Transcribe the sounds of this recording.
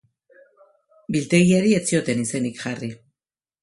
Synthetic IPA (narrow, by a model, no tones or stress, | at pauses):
bilt̪e̞ɣiaɾie̞t͡sio̞t̪e̞nise̞nikʝari